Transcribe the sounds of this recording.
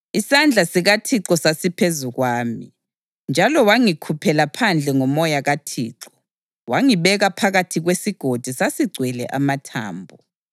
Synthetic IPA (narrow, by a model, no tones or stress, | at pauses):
isand͡ɮʱasiɣatʰiǁɔsasipʰezuɣwaːmi | nd͡ʒʱalɔwaŋikʰupʰɛlapʰand͡ɮʱɛŋɔmɔjaɣatʰḭːǁɔ̥ | waŋiβɛɣapʰaɣatʰiɣwesiɡ̥ʱod̥ʱisasiɡ͡ǀʱwɛlɛ̰ʔamatʰa̰ːmbʱu